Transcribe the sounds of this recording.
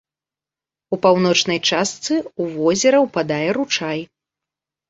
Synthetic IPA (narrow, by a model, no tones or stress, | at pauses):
upawn̪ɔt͡ʂnɐjt͡ʂast̪sɨuvɔzʲɛɾɐwpad̪ajɛɾut͡ʂaj